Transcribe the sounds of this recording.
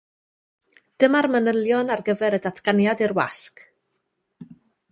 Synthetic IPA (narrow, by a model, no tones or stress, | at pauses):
d̥əmarmənəlˠjɔnarɡəvɛɾədatʰɡ̥anjadirwa̰sk